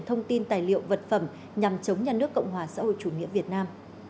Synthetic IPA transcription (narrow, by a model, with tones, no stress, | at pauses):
t̪ʰə˧wŋ͡mt̪i˧nt̪aː˨˩jlḭ˧˨əwvə˨˩t̚fə˧˩m | ɲa˨˩mt͡ɕə˨˦wŋ͡mɲaː˧nɨ˦˥əkːɔ̰˧˨wŋ͡mɦwaː˨˩sa̰ː˧˥ho̰˧˨jt͡ɕu˧˩ŋḭ˧˥əvi˨˩ət̚naː˧m